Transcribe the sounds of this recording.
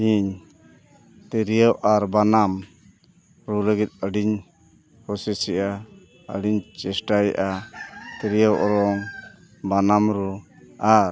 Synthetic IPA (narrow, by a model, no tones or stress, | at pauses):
iɲ | t̪ɛɾijawʔaɾbanam | ɾuləɡit̪̚əɖiɲ | hɔsɛsiʔa | ə̰ɖiɲt͡ʃɛsʈajʔat̪ɛɾijawʔɔɾɔŋ | banamɾuaɾ